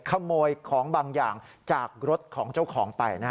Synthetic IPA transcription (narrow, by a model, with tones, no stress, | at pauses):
kʰa˧moː˧jkʰɔː˩˦ŋbaː˧ŋjaː˨˩ŋ | t͡ɕaː˨˩k̚ɾo˦˥t̪̚kʰɔː˩˦ŋt͡ɕa˥˩wkʰɔː˩˦ŋpa˧jnaː˥